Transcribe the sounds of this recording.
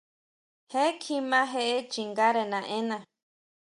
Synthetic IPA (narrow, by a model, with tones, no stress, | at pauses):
he˦kʰi˧mã˦ɦe˦ʔe˦t͡ʃi˨ŋɡa˦ɾe˧nã˨ʔẽ˦nã˧